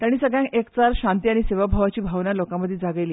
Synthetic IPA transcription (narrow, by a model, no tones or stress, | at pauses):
t̪jaɽ̃iːsəɡɭjãkekt͡saɾɕãnt̪iːaɽ̃iseʋabʱaʋat͡ɕiːbʱaʋnalokãməd̪ʱjed͡zaɡəjliː